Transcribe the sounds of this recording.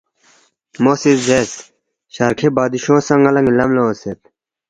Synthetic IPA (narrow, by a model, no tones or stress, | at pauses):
moːsizeːs | ɕaɾkʰebaːd̪iɕõːsɐŋɡɐlɐ̃ŋɡlɐmloset̪